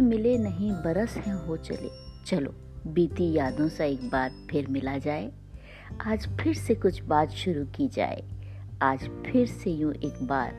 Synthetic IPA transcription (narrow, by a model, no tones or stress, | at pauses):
mɪlenɐɦĩbɐɾəshɛ̃ɦot͡ʃɐ̰lḛːt͡ʃɐlo̰ː | biːt̪ijaːd̪õsaeːk̚baːt̪̚pʰɪɾmɪlad͡ʒaːeː | aːd͡ʒpʰɪɾsekʊt͡ʃʰbaːt̪ʃʊɾukid͡ʒa̰ːḛaːd͡ʒpʰɪɾsejũʔeːkba̰ːɾ